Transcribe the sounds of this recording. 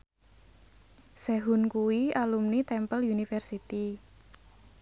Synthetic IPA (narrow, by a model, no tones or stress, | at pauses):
sɛɦunkuwialumnit̪ɛmpəlunifɛrsit̪i